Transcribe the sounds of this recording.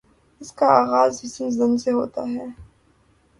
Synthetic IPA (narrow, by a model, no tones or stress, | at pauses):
ɪskaaːɣaːzhɪsmzɪ̃nseɦoːt̪a̰ɦɛː